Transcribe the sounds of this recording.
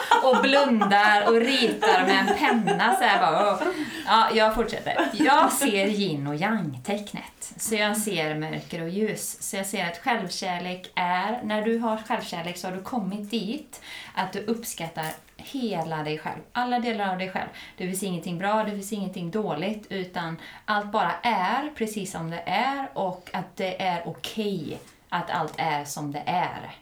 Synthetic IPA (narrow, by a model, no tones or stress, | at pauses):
ɔblɵnd̪aɾɔɾiːt̪aɾmɛːnpʰɛnːasæbɑː | ɑːjɑːɡfʊʈʂɛ̰t̪ːə̰ɾjɑːɡseːɾjɪnːɔjaŋːt̪ʰɛkːnə̰t̪ | sɔjɑseːɾmœ̰ɾkɾɔjʉ̟ːsːɔjɑɡseːɾat̪ɧɛlvɕæːleːkæɾnæɖɵɦaɧɛlvɕæːleːksɔhaɖɵkʰɔmːɪt̪̚d̪iːt̪ʔat̪̚d̪ɵʔɵpːskat̪ːaɾ | heːlad̪ɛjɧɛ̰lvʔalːad̪eːlaɾavd̪ɛjɧɛ̰lvd̪̥ɛfɪnsɪŋːənt̪ʰɪŋbɾɑːd̪ɛfɪnsɪŋːənt̪ʰɪŋːd̪oːlɪɡt̪ʰʉ̟ːt̪anʔalt̪̚bɑːɾaʔæɾpʰɾɛsiːsːɔmd̪ɛʔæɾɔkːat̪̚d̪ɛʔæɾʊkʰɛj | ʔat̪ʰa̰lt̪ʰæɾʂɔmd̪ɛ̰ʔæ̰ɾ